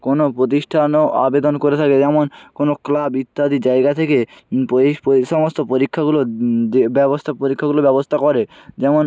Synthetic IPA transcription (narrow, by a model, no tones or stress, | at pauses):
konopɾot̪̬iʃʈʰanoa̰bed̪onkoɾet̪ʰaked͡ʑɛmonkonoklabit̪ːad̪id͡ʑaeɡat̪ʰekepepʃɔmost̪ʰopoɾikʰːaɡuloebɛbost̪ʰapoɾikʰːaɡulobɛbost̪ʰakɔɾed͡ʑɛmon